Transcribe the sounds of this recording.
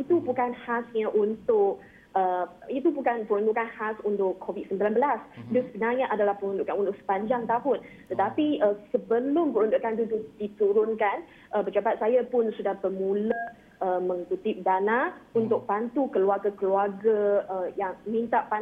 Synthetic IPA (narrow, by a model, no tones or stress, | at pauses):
it̪ubukanhasɲaʔunt̪ʊʔ | əit̪ubukanpəɾundukanhasunt̪ʊʔʰːovit̪̚səmbilanbəlasdʊsəbənaɲãʔadalahpəɾunduʔkanunt̪ʊʔ̚sə̥paɲd͡ʒaŋt̪aɦʊnt̪ət̪apiəsəbəlʊmpəɾunduʔkand̪ududit̪uɾʊnkan | ʔəbəd͡ʒapat̪̚sajapʊnsudahbəmũləʔ | əmə̃ŋkut̪ɪp̚danãunt̪ʊk̚pant̪ukəluarɡakəluarɡaəjaŋmĩnt̪aʔpa